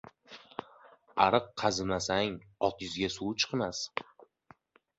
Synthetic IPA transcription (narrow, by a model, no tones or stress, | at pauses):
aɾɨqːʰɑzɪmasaŋɒt̪jʊzɡʲasuwt͡ʃʰɨ̥qmas